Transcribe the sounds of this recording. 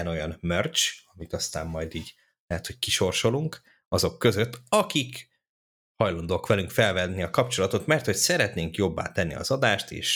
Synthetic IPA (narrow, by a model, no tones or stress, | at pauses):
ɛno̞jɒnmørt͡ʃɒmit̪ɒst̪a̰ːmːɒjd̪iːɟ | lɛɦɛt̪ho̞ckiʃo̞rʃo̞luŋk | ɒzo̞kːø̞zø̞t̪ːɒkik | hɒjlɒnd̪oːkʋɛlyŋkfɛlvɛnniɒkɒpt͡ʃo̞lɒt̪o̞t̪mɛrt̪ho̞csɛɾɛt̪neːŋkjo̞bːa̰ːt̪ɛnːḭɒ̰zɒd̪aːʃt̪ḛːʃ